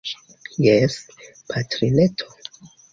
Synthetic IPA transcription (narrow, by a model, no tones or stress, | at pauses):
jes | pʰatɾiletʰo